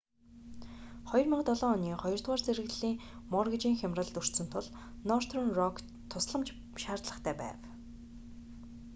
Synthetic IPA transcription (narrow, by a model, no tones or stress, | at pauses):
χɔjɞ̆rmaqt̪ɔɮɔːniːχɔjɞ̆r̥t̪waːrt͡sʰeɾɘ̆ɣɮiːŋmɔrɣit͡ɕiːŋxʲamrə̆ɮt̪ɵr̥t̪sɵ̆nt̪ʰʊɮ | nɔrt̪ʰrɔnrɔkʰ | t̪ʰʊsɮə̆mt͡ɕ | ʃaːrt̪ɮə̆χt̪ʰæːpæ̰ːw